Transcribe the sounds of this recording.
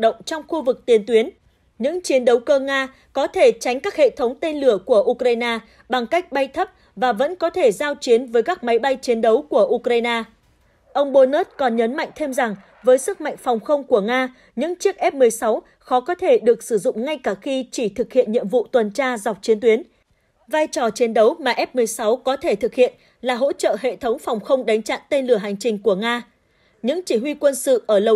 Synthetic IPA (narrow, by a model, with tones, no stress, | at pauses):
ɗə̰˧˨ŋ͡mt͡ɕɔ˧wŋ͡mxu˧vɨ˨˩k̚t̪i˨˦ənt̪wi˨˦ən | ɲɨ̰˧˥ŋt͡ɕi˨˦ənɗə˨˦wkəː˧ŋaː˧ | kɔ˨˦t̪ʰe˧˩t͡ɕa˨˦jŋ̟kaː˦˥k̚hḛ˧˨t̪ʰə˨˦wŋ͡mt̪e˧nlɨ˧˩əku˧˩əʔu˧kɾaː˧jnaː˧ | ɓa˨˩ŋka˦˥jk̟̚ɓa˧jt̪ʰə˦˥p̚ | vaː˨˩və̰˧˥nkɔ˨˦t̪ʰe˧˩zaː˧wt͡ɕi˨˦ənvəː˨˦jkaː˦˥k̚ma˨˦jɓa˧jt͡ɕi˨˦ənɗə˨˦wku˧˩əʔu˧kɾaː˧jnaː˧ | ʔə˧wŋ͡mɓo˧no˦˥t̚kɔ˨˩nɲə˨˦nma̰˧˨jŋ̟t̪ʰe˧mza˨˩ŋ | vəː˨˦jsɨ˦˥k̚ma̰˧˨jŋ̟fɔ˨˩wŋ͡mxə˧wŋ͡mku˧˩əŋaː˧ | ɲɨ̰˧˥ŋt͡ɕi˦˥ək̚ʔɛ˦˥p̚mɨ˨˩əjsa˨˦w | xɔ˨˦kɔ˨˦t̪ʰe˧˩ɗɨ˨˩ək̚sɨ˧˩zʊ̰˧˨ŋ͡mŋa˧jkaː˧˩xi˧t͡ɕi˧˩t̪ʰɨ˨˩k̚hḭ˧˨ənɲḭ˧˨əmvṵ˧˨t̪wə˨˩nt͡ɕaː˧za˨˩k͡p̚t͡ɕi˨˦ənt̪wi˨˦ən | vaː˧jt͡ɕɔ˨˩t͡ɕi˨˦ənɗə˨˦wmaː˨˩ʔɛ˦˥p̚mɨ˨˩əjsa˨˦wkɔ˨˦t̪ʰe˧˩t̪ʰɨ˨˩k̚hḭ˧˨ən | laː˨˩ɦo̰˧˥t͡ɕə̰ː˧˨hḛ˧˨t̪ʰə˨˦wŋ͡mfa˨˩wŋ͡mxə˧wŋ͡mɗa˨˦jŋ̟t͡ɕa̰ː˧˨nt̪e˧nlɨ˧˩əɦa˨˩jŋ̟t͡ɕï˨˩ŋ̟ku˧˩əŋaː˧ | ɲɨ̰˧˥ŋt͡ɕi˧˩ɦwi˧kwə˧nsɨ̰˧˨ʔəː˧˩lə˨˩